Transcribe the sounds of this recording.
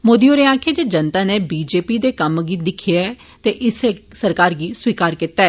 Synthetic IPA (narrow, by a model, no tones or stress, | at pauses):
moːd̪iːoːɾeaːkʰeːd͡ʒeːd͡ʒənt̪ãːneːbiːd͡ʒeːpiːd̪eːkəmɡiːd̪ɪkʰijaɛ | t̪eːʔɪseːsəɾkaːɾɡiːswiːkaːɾkɪt̪ːaːɛː